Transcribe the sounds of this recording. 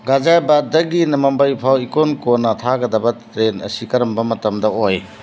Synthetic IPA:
ɡad͡ʒajbadɐɡinɐmɐmbaipʰawikonkonɐtʰaɡɐdɐbɐtɾenɐ̰sikɐɾɐmbɐmɐtɐmdɐoj

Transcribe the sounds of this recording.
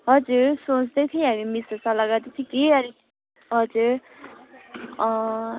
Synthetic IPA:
ɦʌd͡zuɾsõt͡sd̪ʌt̪ʰiɦamimisʌsalaɡad̪it͡sʰĩkeʌɾi | ɦʌd͡zuɾ | ʌ

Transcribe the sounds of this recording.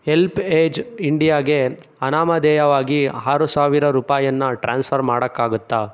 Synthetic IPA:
helpeːd͡ʒiɳɖijaːɡe | ɐnaːmɐd̪ɛːjɐʋaːɡiaːɾusaːʋiɾɐɾuːpaːjɐnːɐʈɾaːnspʰɐɾmaːɽɐkːaːɡut̪ːaː

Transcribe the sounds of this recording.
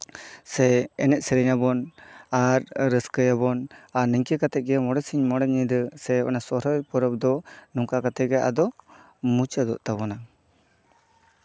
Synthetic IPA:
sɛɛnɛʔ̚sɛɾɛɲabɔnaɾɾəskəjaβɔnanəɲkɛkat̪ɛt̪̚ˀɡɛmɔɽɛsiɲmɔɽɛɲid̪əsɛɔ̰nasɔɾɔjpɔɾɔp̚d̪ɔnɔŋkakat̪ɛɡɛʔa̰d̪ɔ | mut͡ʃad̪ɔ̰ʔt̪aβɔna

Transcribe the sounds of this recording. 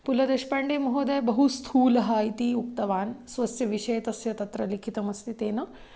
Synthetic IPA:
pulɐd̪eʃpɐɳɖeːmɐɦoːd̪ebɐɦust̪ʰuːlɐɦaːjit̪iuk̚t̪ɐʋaːnsʋɐsjɐʋiʂɐjt̪ɐsjɐt̪ɐt̪ɾɐlikʰit̪ɐmɐst̪ʰit̪eːnɐ

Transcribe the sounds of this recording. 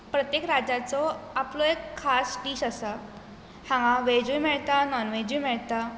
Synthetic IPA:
pɾət̪jekɾad͡ʑat͡sɔaplɔekʰːasʈiːɕasa | hãŋɡãʋed͡ʑujmɛɭt̪anɔnʋed͡ʑujmɛɭt̪a

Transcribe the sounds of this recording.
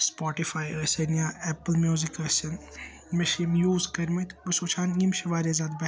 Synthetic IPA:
spɔːʈifaːjəsenijaːɛpəlmjuːzikɐsɐn | meʃiːmjuːzkɐɾmit̪bɐsot͡ʃʰaːnɡimʃɐʋaːɾezaːd̪bɐ

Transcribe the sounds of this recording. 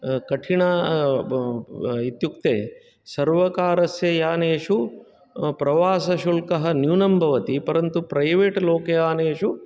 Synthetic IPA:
kɐʈʰiɳa | it̪juk̚t̪eː | sɐɾʋɐkaːɾɐsjɐjaːneːʃu | pɾɐʋaːsɐʃulkɐɦɐ̆njuːnɐmbʱɐʋɐt̪ipɐɾɐnt̪upɾɐjʋeːʈloːkɐjaːnɐːʃu

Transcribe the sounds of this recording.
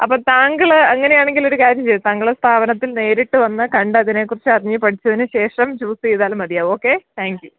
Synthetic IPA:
ɐpːoːt̪aːŋɡɐɭɐŋːɐne̞jaːɳe̞ŋɡilo̞ɾukaːɾjɐmt͡ɕej̪ːɨt̪aːŋɡɐɭest̪ʰaːbɐnɐt̪ːilne̞ːɾiʈːɨʋɐnːɨkɐɳɖɨɐðine̞ːkːurit͡ɕːɨɐriɲːɨpɐʈʰit͡ɕːɐðinːɨɕe̞ːʂɐmt͡ɕuːsejðaːlmɐd̪ijaːʋo̞ːkːe̞t̪ʰaːŋkju

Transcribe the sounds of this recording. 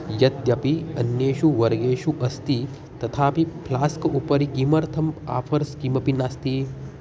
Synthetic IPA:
jɐt̪jɐpiənjeʃuʋəɾɡeʃuʔəst̪i | t̪ɐt̪ʰapipʰlaːskupəɾikiməɾt̪ʰəma̰pʰəɾskiməpinast̪i

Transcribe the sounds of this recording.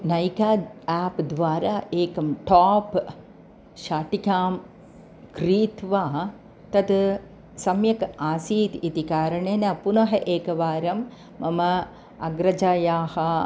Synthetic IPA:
nɐjkaːaːpd̪ʋaːɾaːʔeːkɐmʈaːp | ʃaːʈikʲaːm | kɾiːt̪ʋaː | t̪ɐt̪ | sɐmjɐkaːsiːt̪it̪ikaːɾɐɳeːnɐpunɐɦɐʔeːkɐʋaːɾɐmː | ɐmɐ | ɐɡɾɐd͡ʒaːjaːhɐ

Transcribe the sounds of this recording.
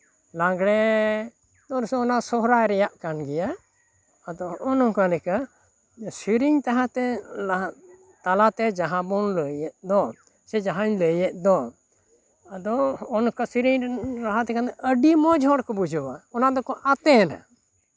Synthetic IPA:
laɡɽɛ | d̪ɔɾsɔnasɔɦɾajɾɛjaʔkanɡɛja | ad̪ɔːnɔ̃kalɛka | siɾiɲt̪aɦãt̪ɛla | t̪alat̪ɛd͡ʒaɦãbɔnləjɛʔ̚d̪ɔ | sɛd͡ʒaɦaɲləjɛʔ̪̚ˀd̪ɔ | ad̪ɔːnkasiɾiɲɾaɦat̪ɛkat̪ɛəɖimɔd͡ʒɦɔɽkɔbud͡ʒɔwaɔnad̪ɔkɔʔat̪ɛna̰

